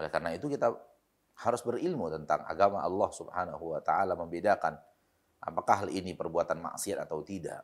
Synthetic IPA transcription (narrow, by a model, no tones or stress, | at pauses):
olɛkarnait̪ukit̪a | haɾʊsbərilmut̪ənt̪a̰ŋa̰ɡamaʔɑlːɑhsubhanaɦuwat̪aʔalaməmbedakan | ʔa̰pakaɦalinipərbuat̪anma̰ʔsiat̪at̪awt̪ida̰ʔ